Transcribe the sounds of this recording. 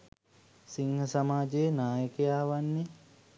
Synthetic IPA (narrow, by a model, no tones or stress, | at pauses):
siŋhəsamaːd͡ʒejːnaːjəkejaːʋanːe